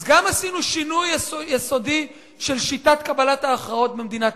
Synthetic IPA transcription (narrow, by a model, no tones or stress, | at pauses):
zɡamasinuʃinujsoeso̞di | ʃelʃitatkabalataːχʁao̞t̪̚bemd̪inat